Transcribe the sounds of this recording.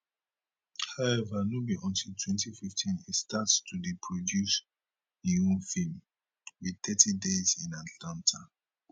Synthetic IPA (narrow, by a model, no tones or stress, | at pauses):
haʊɛvanobiʔɔ̃ntʰiltʰwɛ̃ntififtʰĩnitstʰatstʰudipʰɹɔdjus | iũnfĩm | wiθɛtʰidezĩnatlãntʰa